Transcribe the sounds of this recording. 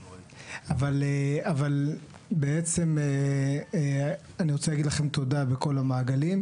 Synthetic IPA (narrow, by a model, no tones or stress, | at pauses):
avaleaval | beet͡se̞me | aniʁot͡selaɡid̪laχe̞mt̪o̞dabeko̞lamaːɡalim